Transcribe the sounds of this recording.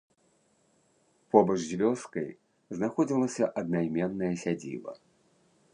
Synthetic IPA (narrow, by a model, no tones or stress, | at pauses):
pɔbɐʐzʲvʲɔskɐj | znaxɔd͡zʲilˠɐsʲɐʔɐd̪najmʲɛnːɐjɐsʲad͡zʲḭvɐ̰